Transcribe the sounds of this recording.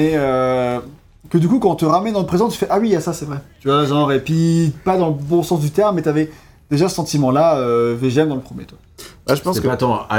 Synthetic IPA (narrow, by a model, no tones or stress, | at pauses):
ɛø | kəd̪ykukɑ̃t̪əʁamɛnd̪ɑ̃ləpχezɑ̃t̪y̥fɛʔawijasasɛvʁɛt̪yvwaʒɑ̃ʁepɥipad̪ɑ̃ləbɔ̃sɑ̃sd̪yt̪ɛʁmːɛt̪yavɛ | d̪̥eʒasə̥sɑ̃t̪imɑ̃laøveʒɛmd̪ɑ̃ləpχəmjḛt̪wabaʒəpɑ̃sɛkpat̪ɑ̃a̰